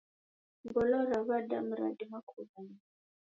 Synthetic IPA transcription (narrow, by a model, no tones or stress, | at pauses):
bɔlɔɾaβadam̩ɾa̰dimakʰuβani